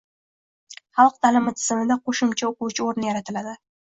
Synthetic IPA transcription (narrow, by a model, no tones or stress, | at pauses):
χɑlˠq̚d̪alɪmɪt̪ʰɪ̥zɪmɪd̪aqʰoʃʊmt͡ʃʰaoqʊwt͡ʃʰɪoɾnɪjaɾat̪ʰɪlad̪ɪ